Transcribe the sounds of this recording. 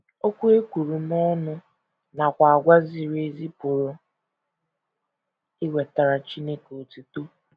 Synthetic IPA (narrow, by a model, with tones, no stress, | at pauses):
o˦kʷu˦e˦kʷu˨ɾu˨m˦ɔ˦nʊ˦ | na˨kʷa˨a˨ɡʷa˦zi˨ɾe˨zi˦pʊ˨ɾo˨ | i˦we˨ta˨ɾa˨t͡ʃi˦ne˦ko˨tu˨to˦